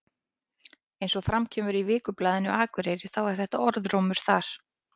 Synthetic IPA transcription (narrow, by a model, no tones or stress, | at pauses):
ejnsɔfɾamcʰɛːmʏɾivɪːkʏplaːðɪnʏaːkʏɾejɾɪ̥θawɛɾ̥θɛht̪aɔɾðɾoːwmʏɾ̥θaɾ̥